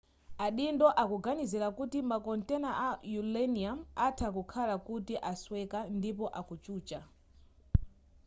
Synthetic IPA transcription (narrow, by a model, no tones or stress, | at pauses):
aɗindɔʔakuɡanizɛlakutimakɔntɛnaʔajulɛniamatʰakukʰalakutiʔaswɛkandipɔʔakut͡ʃuːt͡ʃa